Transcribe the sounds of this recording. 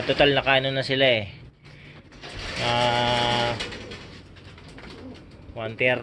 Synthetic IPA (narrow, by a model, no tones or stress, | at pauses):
t̪ot̪alnɐkaːnonɐsɪlaɛ | a | want̪ɛɾ